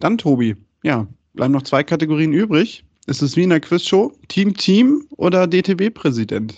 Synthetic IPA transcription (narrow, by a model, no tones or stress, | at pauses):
d̥antʰoːbi | jaːb̥la̰ɪbmnɔχt͡sv̥aɪkʰateɡoʁiːənʔyːbʁɪç | ʔɪstɛsv̥iːɪnɐkv̥ɪsʃoʊtʰiːmtʰiːmʔo̰ːdɐdeːtʰeːbeːpʁ̥ɛzidɛ̰nt